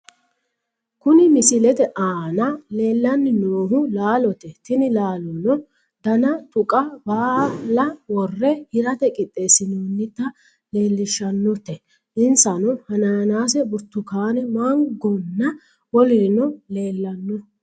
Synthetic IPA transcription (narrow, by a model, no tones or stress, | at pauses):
kʊnɪmɪsɪlɛt̪ɛʔaːnɐle̞ːlːɐnːɪnoːɦʊlaːlɔt̪ɛt̪ɪnɪlaːlʊnɔ | d̪̥ɐnɐt̪ʼʊkʼɐbaːlɐwɔrːɛhɪɾɐt̪ɛkʼɪt̪ʼːe̞ːsːɪnuːnːɪt̪ːɐ | le̞ːlːɪʃːɐnːɔt̪ɛ | ʔɪnsɐnʊhɐnaːnaːsɛbʊɾt̪ːʊkaːnɛmaːŋɡɔnːɐ | wɔlɪɾnɔle̞ːlːɐnːɔ